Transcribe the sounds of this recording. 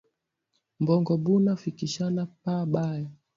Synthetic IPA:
mbɔŋɡɔɓunafikiʃanapaɓajɔ

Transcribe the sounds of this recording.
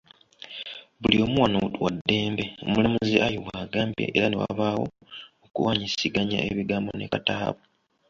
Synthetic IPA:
βulio̞muwanotuwadːe̞ːmbe̞o̰mulamuziʔajo̞wwaːɡaːmbḛʔeɾanewa̰aβawo̞̰ | okuwaːɲisiɡaɲa̰ʔeβiɡaːmbo̞ne̞kata̰ːβu

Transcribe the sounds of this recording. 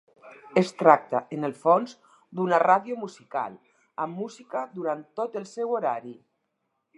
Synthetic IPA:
əst̪ɾak̚t̪aʔənəlˠfonz | d̪unəraðjomuzika̰l | əmːuzikəðuɾant̪ːot̪əlˠsɛwoɾaɾi

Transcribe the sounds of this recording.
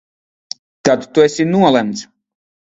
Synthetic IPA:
t̪at̪t̪uɛsʲinuɔlˠɛmt̪s

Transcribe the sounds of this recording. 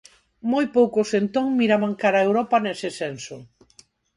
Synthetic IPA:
mojpowkʊsent̪oŋmiɾaβaŋkaɾaewɾɔpɐnɛsɪsɛnso

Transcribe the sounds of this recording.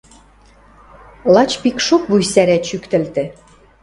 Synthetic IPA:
lˠɑt͡ɕpikʃop̚bujsæɾæt͡ɕykt̪ɘ̆lt̪ɘ̆

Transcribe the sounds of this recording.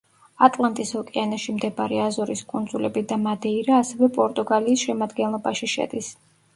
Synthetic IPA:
at̪ʼlˠant̪ʼishɔkʼɛanaʃimd̪ɛbaɾiazɔɾiskʼund̪zulɛbid̪amad̪ɛiɾaːsɛvɛpʼɔɾt̪ʼuɡaliːsʃɛmad̪ɡɛnlˠɔbaʃiʃɛ̰d̪is

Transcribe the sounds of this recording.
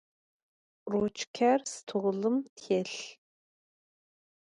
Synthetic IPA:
rot͡ʃʰkʲʰærstʰuʁlɨmtʰɛɬ

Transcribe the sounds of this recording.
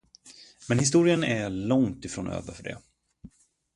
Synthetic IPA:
mɛnhɪs̬t̪uːɾɪənæɭɔŋt̪ɪfɾoːnø̰ːvəɾfœɖɛ̰

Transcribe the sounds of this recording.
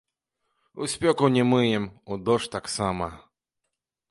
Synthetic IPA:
usʲpʲɔkunʲɛmɨjɛmud̪ɔʂt̪aksamɐ

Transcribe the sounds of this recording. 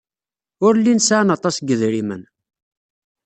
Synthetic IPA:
ʊɾlːinsʕnɑt̪ˤɑsɡəðɾimə̰n

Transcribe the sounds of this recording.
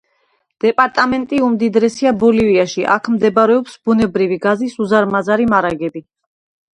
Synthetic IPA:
d̪̥ɛpʼaɾt̪ʼamɛnt̪ʼiumd̪id̪ɾɛsiabɔliviaʃiʔa̰kʰmd̪ɛbaɾɛɔpsbunɛbɾiviɡazisuzaɾmazaɾimaɾaɡɛbi

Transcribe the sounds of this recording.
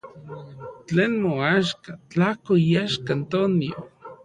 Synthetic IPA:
t͡ɬeːnmoaʃkat͡ɬahkoijaʃkant̪onio

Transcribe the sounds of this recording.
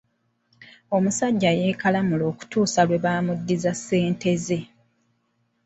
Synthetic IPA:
o̞musaɟːaje̞ːkalamulo̞ːku̥tuːsalwe̞βaːmudːizasːe̞ːnte̞ze̞

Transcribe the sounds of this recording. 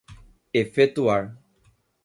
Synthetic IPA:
efetuaɾ

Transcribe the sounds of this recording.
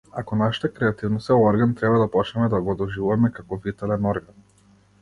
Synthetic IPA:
a̰kɔnaʃi̥t̪ɛkɾɛat̪ivnɔsɛɔɾɡant̪ɾɛbad̪apɔt͡ʃnɛmɛd̪aɡɔd̪ɔʒivuvamɛkakɔvit̪ɛlɛnɔɾɡan

